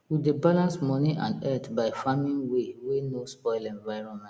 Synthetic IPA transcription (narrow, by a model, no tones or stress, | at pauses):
widebalãnsmɔ̃niʔã̰ndɛtbaɪfamĩnwewenospɔɪlɛ̃nvaɪɹɔ̃nmɛ̃t